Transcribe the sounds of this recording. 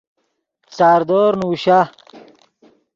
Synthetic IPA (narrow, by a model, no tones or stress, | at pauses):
t͡saːɾd̪oːɾnuːɕa